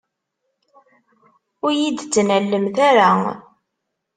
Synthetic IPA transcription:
ʊɾjid̪t͡sːnælːəmθaɾa

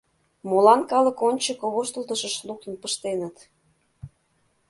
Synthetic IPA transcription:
molɑnkɑlə̆konʲt͡ɕəkoβoʃt̪ə̆lt̪əʃəʃluk̚t̪ə̆npəʃt̪enət̪

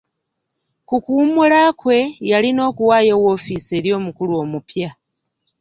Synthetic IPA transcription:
kukumulakwe̞jalino̞ːkuwaːjo̞wo̞fise̞ːɾjo̞ːmukuluo̞ːmupja

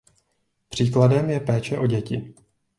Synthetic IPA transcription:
pr̝̥iːkladɛmjɛpɛːt͡ʃɛʔo̞ɟɛcɪ

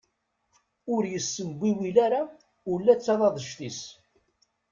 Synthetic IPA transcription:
ʊɾjəsːənɡʷiwilaɾa | ʊlːæt͡sːɑðˤɑðˤəʃt̪is

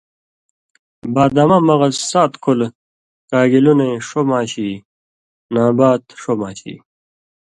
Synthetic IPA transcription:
baːd̪amɐmɐɣɐsːaːt̪kʰul | kaːɡiluneʂomaːɕi | naːbaːt̪ʂomaːɕḭ

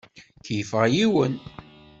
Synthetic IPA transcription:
kjəfʁajiwən

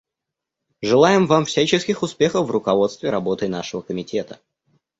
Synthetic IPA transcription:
ʐɨlˠajɪmvamfsʲæt͡ɕɪskʲɪxʊspʲe̞xəfvrʊkɐvo̞t̪st̪vʲɪɾɐbo̞t̪əjnaʂəvəkəmʲɪtʲe̞t̪ə̥

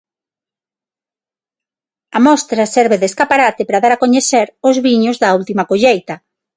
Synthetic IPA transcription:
amɔst̪ɾasɛɾβeðeskapaɾat̪ɪpɾaðaɾakoɲeθeɾʊzβiɲʊzðɐult̪imakoʎejt̪ɐ

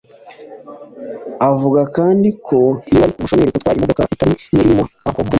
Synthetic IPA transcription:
avuɡakaːndikʰo̞ianikumuʃomeɾikotwaːɾimodokaʔitamijeɾimoakobu

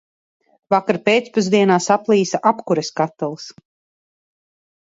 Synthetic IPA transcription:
vakaɾpeːt̪spuz̬d̪iɛnaːsaplˠiːsaʔapkuɾeskat̪ːalˠs

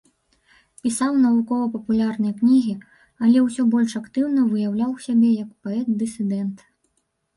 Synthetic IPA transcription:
pʲisawnɐvukɔvɐpɐpulʲarnɨjɐknʲiɣʲi | ɐlʲɛwsʲɔbɔlʲʂakt̪ɨwnɐvɨjawlʲawsʲabʲɛjɐkpaɛt̪̚d̪ɨsʲɨd̪ɛnt̪

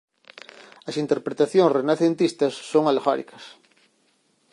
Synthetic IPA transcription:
ɐsint̪eɾpɾet̪aθjõŋsrenaθent̪ist̪ɐsːoŋalɣa̰ɾḭkʰɐ̥s

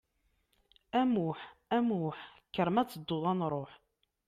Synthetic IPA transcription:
æmuħæmuħkːəɾəmæt͡sːəd̪ːoðˤɑnɾˤoħ

